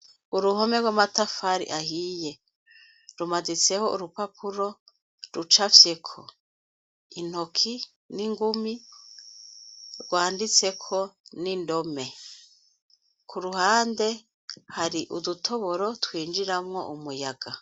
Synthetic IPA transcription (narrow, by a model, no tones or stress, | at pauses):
uɾuhomeɾɡwamatafaɾḭʔahije̞ | ɾumadit͡se̞ho̞ʔṵɾupapʰuɾo̞ | ɾut͡ʃafje̞kʰo̞̰ | in̥hokʰi | niŋɡumi | ɾɡwaːndit͡se̞kʰo̞nindo̞me̞ | kʰuɾuhaːnde̞ | haɾiʔudutʰo̞βo̞ɾotwiːnd͡ʒiɾamŋo̞̰ʔumujaɡ̥a